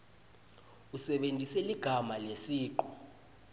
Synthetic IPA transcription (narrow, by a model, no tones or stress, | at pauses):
usɛɓendʱisɛliɡ̥ʱamalesiːǃɔ